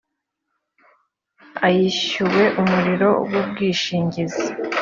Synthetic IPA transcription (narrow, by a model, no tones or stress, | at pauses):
ajiɕuwe̞ʔumuɾiɾo̞wub̚ɡiːʃiːɲɟizi